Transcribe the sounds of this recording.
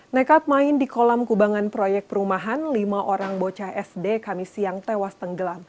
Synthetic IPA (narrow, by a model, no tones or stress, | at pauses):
nakap̚maɪndikolamkubaŋanpɾojɛk̚pəɾumaɦanlimaʔoɾaŋbot͡ʃahɛsdekamisiaŋt̪ewast̪əŋɡəlam